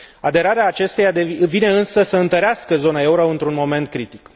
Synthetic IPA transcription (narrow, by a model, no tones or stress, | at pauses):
ad̪e̞ɾaɾeaːt͡ʃe̞st̪e̞jad̪evine̞ɨnsəsəɨnt̪əɾeaskəzo̞nae̞uɾoɨnt̪ɾunmo̞me̞nt̪̚kɾit̪ik